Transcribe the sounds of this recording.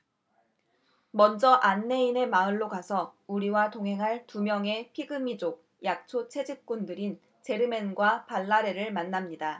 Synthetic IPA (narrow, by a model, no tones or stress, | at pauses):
mʌnd͡ʑʌʔanːe̞ine̞maɯɭːokasʰʌuɾiwatoŋɦe̞ŋɦaɭtumjʌŋe̞pʰiɡɯmid͡ʑok̚ | jak̚t͡ɕʰot͡ɕʰe̞d͡ʑik͈undɯɾin | t͡ɕe̞ɾɯme̞nɡwapaɭːaɾe̞ɾɯɭmanːamɲida